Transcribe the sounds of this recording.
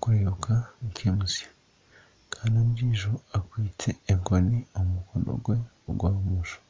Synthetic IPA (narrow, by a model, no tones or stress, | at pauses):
kweɾukʰaikʰemusa | kʰaːndamɾiːʒoakwiːtʰeːŋɡoniomukono̰ɡwe̞ | ɡwaːmuʒo̥